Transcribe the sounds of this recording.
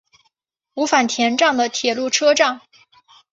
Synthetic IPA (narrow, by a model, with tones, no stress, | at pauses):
u˧˥fa˨˩nt̪ʰjɛ˧˥nʈ͡ʂɑ˥˩ŋd̪ə˩t̪ʰjɛ˨˩lu˥˩ʈ͡ʂʰɤ˥ʈ͡ʂɑ˥˩ŋ